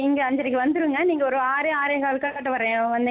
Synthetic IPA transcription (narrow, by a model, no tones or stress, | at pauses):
ɪŋɡɐɐɲd͡ʒɐɾɪkːɯʋɐnd̪ɯɾɯɯŋɡɐniːŋɡɐɔɾɯaːɾɐaːɾɐjɣaːɭkɐkaːʈːɯʋɐɾẽːʋɐnd̪